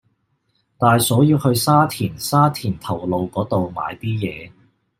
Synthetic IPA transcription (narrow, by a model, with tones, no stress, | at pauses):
t̪aː˨jsɔː˨˥jiː˧whɵ˧ɥsaː˥t̪ʰiː˨˩nsaː˥t̪ʰiː˨˩nt̪ʰɐ˨˩wlo˨wkɔː˨˥t̪o˨wma̰ː˨˧jt̪iː˥jɛː˨˧